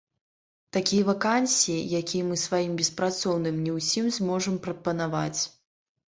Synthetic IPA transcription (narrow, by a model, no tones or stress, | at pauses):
t̪akʲijɐvakansʲiijakʲijɛmɨsvajimbʲɛspɾat̪sɔwnɨmnʲɛwsʲimzmɔʐɐmpɾɐpɐnava̰t͡sʲ